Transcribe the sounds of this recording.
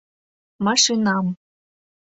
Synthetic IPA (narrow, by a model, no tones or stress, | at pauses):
mɑʂɨnɑm